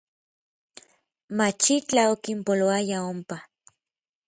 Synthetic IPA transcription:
mat͡ʃit͡ɬaokimpoloajaompa

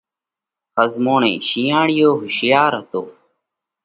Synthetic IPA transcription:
xəzmoːɳḛ̃ːʃiːãːɳɪjoːɦʊʃjaːɾɦət̪o̰ː

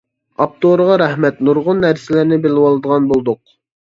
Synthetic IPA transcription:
ɑp̚t̪ʰoɾəʁɑɾɛhmɛt̪nuɾʁʊnːæɾsɪlɪɾnɪbɪlɪwɑlˠɨd̪əʁɑnbolˠd̪ʊq̚

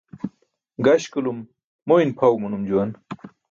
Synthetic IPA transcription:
ɡɐɕkulumː | oinpʰawmunumd͡ʑuwɐn

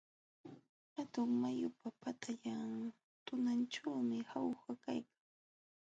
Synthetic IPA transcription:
hat̪ʊŋmajʊpapat̪ʰaʎaŋ | t̪ʊnanʈ͡ʂawmɪhawxakajkaŋ

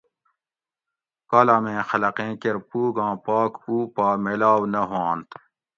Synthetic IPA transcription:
kaːlamẽːxɐlɐqẽːkeɾpuːɡãːpaːkuːpaːmelaːwnɐɦãːnt̪

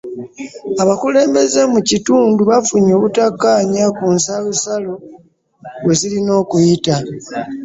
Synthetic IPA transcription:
aβakule̞ːmbe̞ze̞mucituːnduβafuɲo̞ːβutakːaːɲakunsalusalo̞ | we̞zilino̞ːkujita

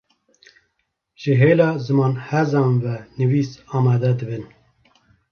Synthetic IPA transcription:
ʒ̥ɨɦeːlɑːzɨmɑːnhɛzɑːnvɛnɨviːsɑːmɑːd̪ɛd̪ɨbɨn

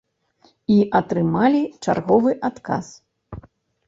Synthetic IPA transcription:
iʔɐt̪ɾɨmalʲit͡ʂa̰rɣɔvɨʔat̪ka̰s

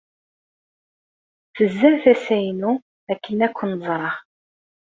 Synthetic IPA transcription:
θəzːæɾθæsæjnu | ækːənækʷːənəzˤɾˤɑʁ

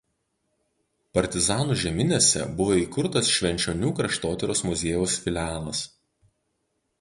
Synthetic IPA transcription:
pɐɾʲt̪ʲɪzɑːnuːʒʲɛmʲɪnʲesʲɛ̰bʊʋoːiːkʊɾt̪ɐsʃʲʋʲɛnʲt͡ʃʲoːnʲuːkɾɐʃt̪oːt̪ʲɛɾʲoːsmʊzʲeːjuːsfʲɪlʲɑːlˠɐs

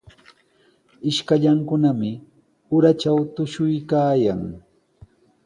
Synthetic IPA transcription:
ɪʃkaʎaŋkʊnamɪ | ʊɾat͡ʃawt̪ʊʃʊjkaːjaŋ

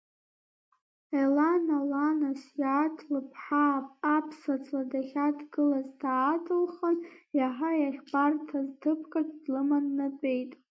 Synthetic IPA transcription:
elanalanasjaːtʰlɨpʰħapʼapʰsat͡sʰʼladaχʲadʰɡɨlazdaːtʰɨlχənjaħajaχʲbartʰaztʰɨpʰkʰʼadʰʼdlɨmanːadʷʼe̞jtʼ

